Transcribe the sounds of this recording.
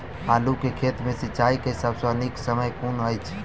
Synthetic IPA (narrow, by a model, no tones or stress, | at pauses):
alukekʰet̪mẽsit͡ʃaikeɦisabsə̃əniksəməjkunəjt͡ʃʰ